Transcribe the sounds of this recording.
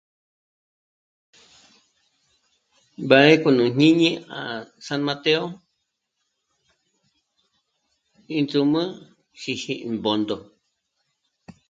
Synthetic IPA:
ba˨ɾe˦ko˧nũ˨ɲ̥ɲĩ˦ɲĩ˦ã˨sa˧nmã˧t̪e˦o˦ | ĩ˧nd͡zu˧mɨ̃˦ | ʃi˧ʃĩ˧˨mbo˨nd̪o˨

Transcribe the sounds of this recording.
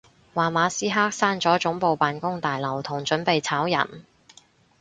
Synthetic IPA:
waː˨˩maː˨˧siː˥ɦaː˥k̚saː˥nt͡sɔː˨˥t͡sʊ˨˥ŋpo˨wpaː˨nkʊ˥ŋt̪aː˨jlɐ˨˩wt̪ʰʊ˨˩ŋt͡ʃɵ˨˥npe˨jt͡sʰaː˨˥wjɐ̰˨˩n

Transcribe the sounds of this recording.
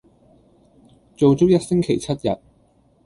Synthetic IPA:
t͡so˨wt͡sʊ˥k̚jɐ˥t̚sɪ˥ŋkʰe˨˩jt͡sʰɐ˥t̚jɐ̰˨t̚

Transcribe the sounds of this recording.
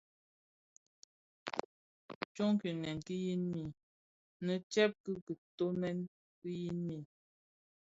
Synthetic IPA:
t͡ʃo˦ŋ˦ki˨nɛ˨nki˦ji˦nmi˨ | nə˨t͡ʃɛ˦p̚kɨ˦kə˨to˦mɛ˦n | ki˦ji˦nmi˦˨

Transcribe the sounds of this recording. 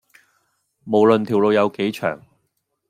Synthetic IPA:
mo˨˩wlɵ˨nt̪ʰiː˨˩wlo˧wjɐ˨˧wke˨˥jt͡ʃʰœ̰ː˨˩ŋ

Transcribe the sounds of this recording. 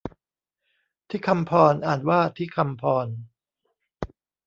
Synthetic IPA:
t̪ʰiː˥˩kʰa˧mpʰɔː˧nʔaː˨˩n̚waː˥˩t̪ʰiː˥˩kʰa˧mpʰɔː˧n

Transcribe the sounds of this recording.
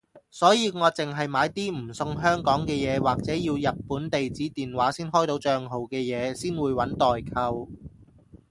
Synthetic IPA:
sɔː˨˥jiː˨˧ŋɔː˨˧t͡sɪ˨ŋɦɐ˨jmaː˨˧jt̪iː˥m̩˨˩sʊ˧ŋɦœː˥ŋkɔː˨˥ŋkɛː˧jɛː˨˧waː˨k̚t͡sɛː˨˥jiː˧wjɐ˨t̚puː˨˥nt̪e˨jt͡siː˨˥t̪iː˨nwaː˨˥siː˥nɦɔː˥jt̪o˨˧˥wt͡ʃœː˧ŋɦo˨wkɛː˧jɛː˨˧siː˥nwuː˨˧jwɐ˨˥nt̪ɔː˨jkʰɐ˧w

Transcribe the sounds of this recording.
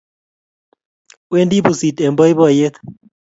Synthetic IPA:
we˦ndi˦bu˨si˨t̪e˨mbɔ˦jbɔ˦˨je˦t̪

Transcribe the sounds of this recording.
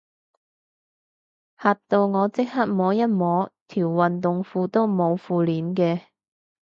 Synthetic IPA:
haː˨t̪o˧wŋɔː˨˧t͡sɪ˥k̚ha˥t̚mɔː˨˥jɐ˥t̚mɔː˨˥t̪ʰiː˨˩wːɐ˨nt̪ʊ˨ŋfuː˧t̪o˥wmo˨˧wfuː˧liː˨˥nkɛː˧

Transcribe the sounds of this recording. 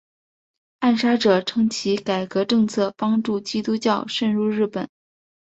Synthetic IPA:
a˥˩nʂa˥ʈ͡ʂɤ˨˩ʈ͡ʂʰɤ˥ŋt͡ɕʰi˧˥ka˨˩ɪkɤ˧˥ʈ͡ʂɤ˥˧ŋt͡sʰɤ˥˩pɑ˥ŋʈ͡ʂu˥˩t͡ɕi˥t̪u˥t͡ɕjɑ˥˧ʊʂə˥˧nɻu˥˧ɻɻ̩˥˩pə˨˩˦n

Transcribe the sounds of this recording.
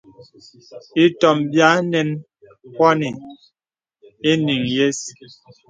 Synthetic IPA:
i˦tɔ˨mbja˦nɛ˨˦n | kwa˦ni˨ | e˦ni˨ŋje˦s

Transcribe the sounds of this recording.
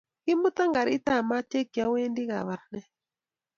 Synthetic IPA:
i˦mu˦ta˦ŋɡa˨ɾi˦ta˦˨ma˦t͡ʃe˦ki˨a˦we˦ndi˦ɣa̰˨βa˨ɾnɛ˦

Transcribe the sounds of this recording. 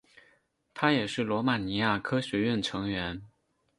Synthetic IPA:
t̪ʰa˥jɛ˨˩ʂɻ̩˥˩lwɔ˧˥ma˨˩ni˧˥ja˥˩kʰɤ˥ɕɥɛ˧˥ɥɛ˥˩nʈ͡ʂʰɤ˧˥ŋɥɛ˧˥n

